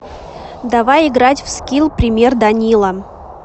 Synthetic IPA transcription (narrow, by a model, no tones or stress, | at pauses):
d̪avajɪɡɾatʲfskʲilʲˠpɾʲɪmʲe̞rd̪ɐnʲilˠə